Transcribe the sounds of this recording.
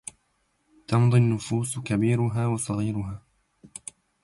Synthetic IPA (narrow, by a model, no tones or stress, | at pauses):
t̪ɑmd̪ˤinːʊfuːskabiːɾʊɦaːwɑsˤɑɣiːɾʊɦaː